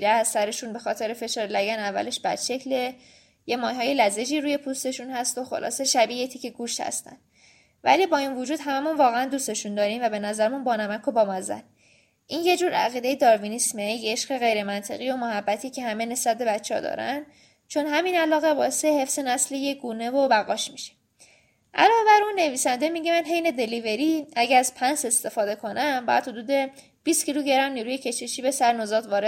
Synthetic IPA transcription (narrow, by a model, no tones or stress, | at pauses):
ɾææssæɾe̞ʃunbe̞xɒːt̪ʰe̞ɾe̞fe̞ʃɒːɾelæɟænævːæ̰le̞ʃbæ̰d̪̥ʃe̞cʰle̞ | jemɒːjɦɒːje̞læze̞d͡ʒiːɾuːje̞pʰust̪e̞ʃunhæst̪o̞xo̞̰lʔɒ̰ːse̞ʃæbiːet̪ʰiːceɡuːʃt̪hæ̰st̪æ̰nd̪ | væ̰liːbɒːinvod͡ʒuːd̪hæmæmunvɒːɣeænd̪uːst̪e̞ʃund̪ɒːɾiːmvæbe̞næzæɾmunbɒːnæmækʰobɒːmɒzæ̰d̪̥̚ | ʔiːnje̞d͡ʒuːɾæ̰ɣiːd̪e̞jed̪ɒːɾvinismeejeʃɢe̞ɣe̞jɾe̞mænt̪ʰe̞ɣijo̞mohæbːæt̪ʰiːcʰe̞hæmene̞sbæt̪̚be̞bæt̪t͡ʃʰːeɒ̰d̪ɒ̰ːɾæ̰n | t͡ʃʰo̞nɦæminælɒːɣe̞bɒːe̞sehe̞fsenæslejeɡuːne̞vobæɣɒːʃmiʃe̥ | ʔæ̰lɒːve̞bæɾunːe̞viːsænd̪emiːɟemænɦe̞jne̞d̪e̞live̞ɾiæɟææzpʰænse̞st̪e̞fɒːd̪e̞kʰo̞nʔæmbɒ̰jæ̰d̪̥hod̪uːd̪e̞ | b̥iːst̪cʰiluɟe̞ɾæmniːɾuːjecʰe̞ʃeʃiːbe̞sæɾnozɒːt̪ʰvɒːɾe